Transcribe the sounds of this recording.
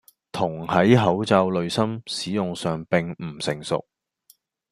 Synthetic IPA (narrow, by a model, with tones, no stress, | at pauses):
t̪ʰʊ˨˩ŋhɐ˨˥jɦɐ˨˥wt͡sɐ˧wlɵ˨ɥsɐ˥msiː˨˥jʊ˨ŋsœː˨ŋpɪ˨ŋm̩˨˩sɪ˨˩ŋsʊ̰˨k̚